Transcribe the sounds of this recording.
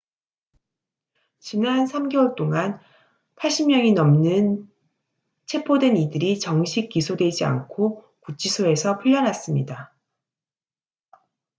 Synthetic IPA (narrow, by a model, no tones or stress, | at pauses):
t͡ɕinansʰamɡeʌɭt͈oŋan | pʰaɭɕ͈ʰimmjʌŋinʌmnɯn | t͡ɕʰe̞pʰodwe̞nidɯɾit͡ɕʌŋɕʰik͈isʰodwe̞d͡ʑia̰nkʰo | kut͡ɕ͈isʰoe̞sʰʌpʰuʎjʌnɦas͈ɯmɲida